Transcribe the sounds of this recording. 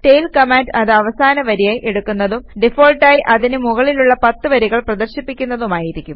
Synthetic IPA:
ʈe̞jlkɐmaːɳɖɐðɨɐʋɐsaːnɐʋɐɾijaːjʔeɽukːunːɐðumɖifoːlʈaːjiʔɐðinɨmuɣɐɭiluɭːɐpɐt̪ːɨʋɐɾiɣɐɭprɐd̪ɐrɕipːikʲːunːɐðumaːjiɾikʲːum

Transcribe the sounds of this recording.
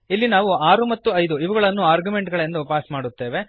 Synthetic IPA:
ilːinaːʋuaːɾumɐt̪ːuɐjd̪uiʋɐɡɐɭɐnːuaːɾɡume̞ɳʈɡɐɭjend̪upaːsmaːɽut̪ːe̞ːʋe̞

